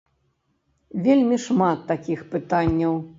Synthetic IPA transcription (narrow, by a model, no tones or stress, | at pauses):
vʲelʲmʲiʂmat̪ːakʲixpɨt̪anʲːɐw